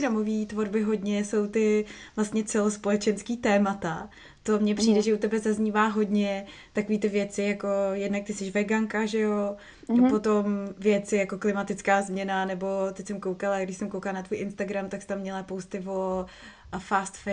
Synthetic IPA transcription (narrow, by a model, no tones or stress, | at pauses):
ɾamo̞viːt̪vo̞ɾbɪɦo̞dɲɛso̞wt̪ɪ | vlast̪ɲɛt͡sɛlospo̞lɛt͡ʃɛnskiːt̪ɛːmat̪a | t̪o̞mɲɛpr̝̥iːdɛʒɛut̪ɛbɛzazɲiːvaːɦo̞dɲɛt̪ako̞viːt̪ɪvjɛt͡sɪjako̞jɛdnak̚t̪ɪsɛʃvɛɡaŋkaʒɛjo̞ | po̞t̪o̞mvjɛt͡sɪjako̞klɪmat̪ɪt͡skaːzmɲɛnanɛbo̞t̪ɛcsɛmkowkalaɡdɪʃsɛmkowkalanat̪vuːjʔɪnst̪aɡɾamt̪akst̪amːɲɛlapowst̪ɪvo̞ | faːst̪fɛ